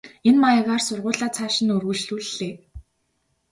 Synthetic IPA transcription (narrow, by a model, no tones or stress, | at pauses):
enmajə̆ʁaːrsʊrʁʊːɮaːt͡sʰaːʃɪ̆nɵrɣɵ̆ɮɮuɮːeː